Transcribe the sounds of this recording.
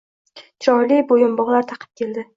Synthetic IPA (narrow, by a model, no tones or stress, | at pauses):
t͡ʃʰɒjlibojʊmbɒʁlˠaɾt̪ʰɑqʰɨ̥p̚kʲʰe̞ld̪ɪ